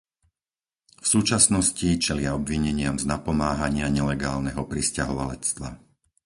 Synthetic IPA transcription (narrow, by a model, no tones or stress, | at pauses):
fsuːt͡ʃasnɔscit͡ʃɛlɪaɔbʋiɲɛɲɪamznapɔmaːɦaɲɪaɲɛlɛɡaːlnɛɦɔpɾiscaɦɔʋalɛt͡st̪ʋa̰